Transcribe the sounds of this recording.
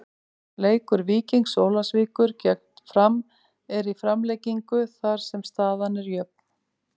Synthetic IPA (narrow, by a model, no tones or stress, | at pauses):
leːjkʏɾviːciŋksoːwlasviːkʏɾ̥cɛk̚t̪fɾam | ɛɾifɾamlɛjciŋkʏθaɾ̥sɛmst̪aːðanɛɾjœp̚n̥